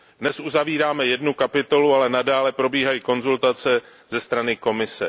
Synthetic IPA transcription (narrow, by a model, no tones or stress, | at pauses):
dnɛsʔuzaviːɾaːmɛjɛdnukapɪt̪o̞lualɛnadaːlɛpɾo̞biːɦajiko̞nzult̪at͡sɛzɛst̪ɾanɪko̞mɪsɛ